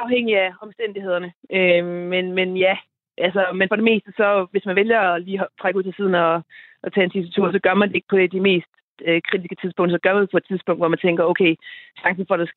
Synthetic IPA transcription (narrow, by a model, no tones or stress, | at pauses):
ɑ̈ʊheŋ̰iæɒ̽msd̥en̰d̥ihe̝ð̞̰ˠɐnəʔømenmenjæ | ʔælsɐmenfɒ̽ɾ̥e̝me̝̰ːsd̥əsɒ̽ʋe̝smænʋeljɐːliːɦt͡sʰʁaɡ̥uð̰ˠsɒsið̞ˠn̩ɒt͡sʰɛ̰ːent͡sʰisæt͡sʰuɐ̰sɒ̽ɡ̥ɶɐmænd̥e̝e̝ɡ̥̚pʰɒ̽d̥e̝d̥ime̝̰ːsd̥ | økʰʁid̥isɡ̥ə̥t͡sʰiðˠsb̥ɔ̽ŋ̰d̥sɒ̽ɡ̥ɶɐmænd̥e̝pʰɒ̽ed̥̚t͡sʰiðˠsb̥ɔ̽ŋ̰d̥ʋɒmænt͡sʰeŋ̰ɡ̥ɐoʊkʰeɪɕɑ̈ŋsn̩fɒ̽ɾ̥e